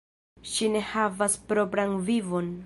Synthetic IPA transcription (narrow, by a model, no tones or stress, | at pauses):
ʃine̞havaspɾo̞pɾanvivo̞n